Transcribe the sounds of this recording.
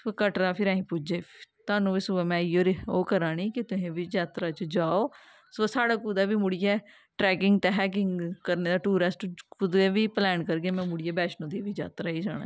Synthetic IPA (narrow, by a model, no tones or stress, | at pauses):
kəʈɾaːpʰɪɾaːĩːpʊd͡ʒeːt̪ʊaːnũːʋɪsʊamɛ̃ːɪoːɾoːkəɾãːniːkɪt̪ʊɦẽːʋiːd͡ʒaːt̪ɾaːt͡ʃd͡ʒaːoː | soːsaːɽaːkʊd̪aːʋiːmʊɽɪjɛː | ʈɾɛːkɪŋɡt̪aːɦɛːk̬ɪŋɡkəɾneːd̪aːʈuːɾəsʈkʊd̪eːʋiːplɛːnkəɾɡeːmɛ̃ːmʊɽɪjɛːbɛːt͡ʃnõːd̪iːʋiːd͡ʒa̰ːt̪ɾaːiːd͡ʒaːɽa̰ː